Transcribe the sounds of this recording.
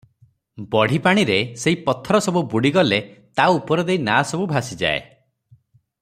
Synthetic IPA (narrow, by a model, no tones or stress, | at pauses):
bɔɽ̤ipaɽ̃iɾeseɦipɔt̪ʰːɔɾɔsɔbubuɽiɡɔlet̪auupɔɾɔd̪einasɔbubʱasid͡ʒa̰ḛ